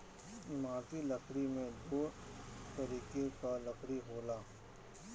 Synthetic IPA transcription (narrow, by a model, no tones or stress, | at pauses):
ɪmaːt̪ilɐkʰɾimẽd̪oː | t̪ɐɾiːkekalɐkʰɾiɦoːlaː